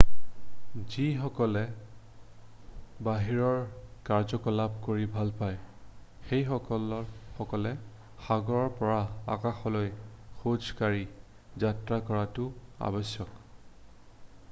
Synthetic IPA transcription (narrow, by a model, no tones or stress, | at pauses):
zixɔkɔlɛ | baɦiɹɔɹkaɹzɔkɔlab̚koɹibʱalpaj | xejxɔkɔlɔxɔkɔlɛ | xaɡɔɹɔɹpɔɹaa̰kaxɔlojxod͡ʒkaɹi | zatɹakɔɹatʊa̰bɔsjɔk